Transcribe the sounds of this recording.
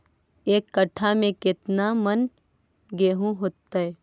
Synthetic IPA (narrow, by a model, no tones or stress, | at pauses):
eːkːəʈʰːamẽkɪt̪namən | ɡeːɦũɦoːt̪ːaɛː